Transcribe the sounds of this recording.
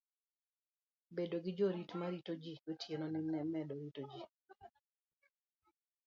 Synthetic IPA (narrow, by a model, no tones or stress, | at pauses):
bedoɡɪd͡ʒoɾitmaɾitod͡ʒiɡotʰjenɔnɪmɛmɛdɔɾitod͡ʒi